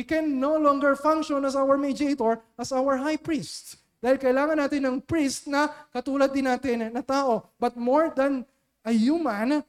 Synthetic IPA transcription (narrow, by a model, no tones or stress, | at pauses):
wikɛ̃nːowlɔ̃ŋɡɛɹfãŋkʃɔ̃nɐsawəɹmid͡ʒiejt̪oɹʔɐsawəɹɦajpɹist̪ | d̪aːhɪlkɐʔɪlaːŋɐnaːt̪ɪnːɐŋpɹist̪̚nɐkɐt̪uːlɐd̪ːɪnːaːt̪ɪnːɐt̪aːʔo̞bɐt̪̚moɹd̪ɐn | ʔɐjumɐ̃n